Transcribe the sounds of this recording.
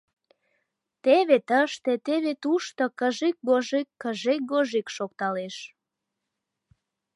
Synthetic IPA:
t̪eβet̪əʃt̪et̪eβet̪uʃt̪okəʒik̚ɡoʒikːəʒek̚ɡoʒikʃok̚t̪ɑleʃ

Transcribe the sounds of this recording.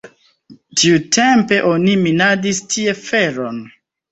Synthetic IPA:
tiutʰe̞mpe̞ʔo̞niminadistʰie̞fe̞ɾon

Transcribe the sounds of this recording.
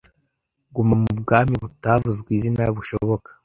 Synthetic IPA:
ɡumamubɡaːmiβutavuzɡwiːzinajaβuʃoβo̞kḁ

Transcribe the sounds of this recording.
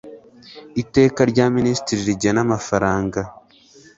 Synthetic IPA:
ite̞ːkaɾɟaːministiɾiɾiɟanamafaɾaːŋɡa

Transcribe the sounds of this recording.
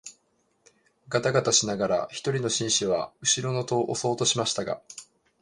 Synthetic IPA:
ɡat̪aɡat̪aɕinaɡaɾa̰çi̥t̪o̞ɾʲino̞ɕĩɰ̃ɕiβa̰ɯ̟ɕiɾo̞no̞t̪o̞ːʔoso̞ːt̪o̞ɕimaɕi̥t̪aɡa̰

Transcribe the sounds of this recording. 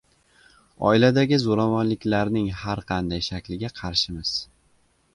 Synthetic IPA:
ɒ̰ɪlad̪aɡʲɪzoɾamɒnlɪkʲlaɾnɪŋhaɾqʰɑnd̪ajʃakʲlɪɡʲaqʰɑɾʃɪmɪz̥

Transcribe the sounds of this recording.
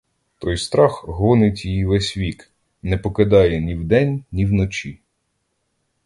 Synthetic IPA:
t̪ɔjst̪ɾɑxɦɔnɪtʲijiʋɛsʲʋʲik | nɛpɔkɪd̪ɑjɛnʲiwd̪ɛnʲnʲiwnɔt͡ʃʲi

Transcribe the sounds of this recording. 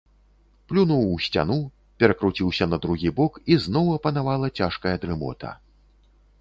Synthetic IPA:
plʲunuwsʲt͡sʲa̰nu | pʲɛɾɐkɾut͡sʲiwsʲɐnɐd̪ɾuɣʲibɔkiznɔwɐpɐnavalˠɐt͡sʲaʂkɐjɐd̪ɾɨmɔ̰t̪ɐ̰

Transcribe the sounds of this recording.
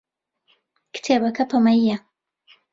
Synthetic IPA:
kt̪ʰebɐkɐpʰɐmɐjːa

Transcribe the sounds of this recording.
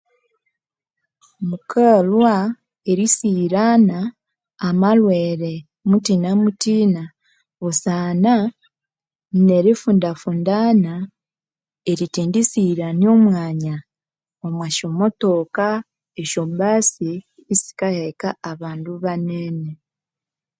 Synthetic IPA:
mukʰalwa | eɾisiɾanaː | malweːɾe̞ | mutiːnamutiːna | osaːna | ne̞ɾifundafuːndaːna | e̞ɾitiːndisiːɾanio̞mwaːɲa | omwaʃomoto̞ːka | eʃobasiː | si̥kajekaːβaːnduβaneːne

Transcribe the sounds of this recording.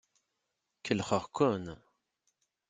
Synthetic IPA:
kʰəlχəʁkʰun

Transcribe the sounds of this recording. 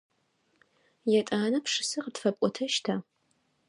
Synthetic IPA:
jɛtʼaːnɐpʂɨsɨqətfɐpʷʼɔtʰɐʃtʰaː

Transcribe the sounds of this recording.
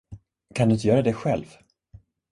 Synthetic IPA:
kʰand̪ɵnt̪əjœːɾad̪ɛɧɛlv

